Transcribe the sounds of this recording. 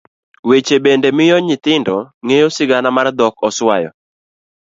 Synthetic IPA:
wet͡ʃebendemɪjɔɲɪt̪ɪndɔŋejosɪɡanamard̪ɔkɔswajɔ̰

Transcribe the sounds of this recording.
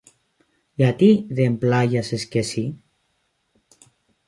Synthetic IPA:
jat̪iðemplajaseskesi

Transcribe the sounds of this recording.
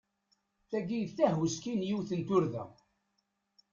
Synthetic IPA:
θæɡijðθæhwəskinjiwθənt̪ʊɾðæ̰

